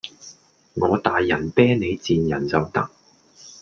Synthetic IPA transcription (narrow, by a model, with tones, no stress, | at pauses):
ŋɔː˨˧t̪aː˨jːɐ˨˩npɛː˥ŋne˨˧jt͡siː˨njɐ˨˩nt͡sɐ˨wt̪ɐ˥k̚